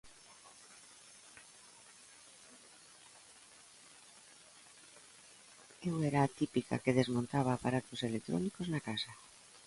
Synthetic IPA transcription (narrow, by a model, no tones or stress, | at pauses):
ewɛɾaːt̪ipika̰keðezmõnt̪aβaːpaɾat̪oselek̚t̪ɾɔ̰nikoznakasa